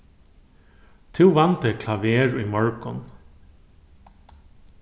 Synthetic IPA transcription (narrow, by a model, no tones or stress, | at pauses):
t̪ʰʉːʋɑnt̪əkʰlɑʋeːɹiːmɔɹkɔ̰n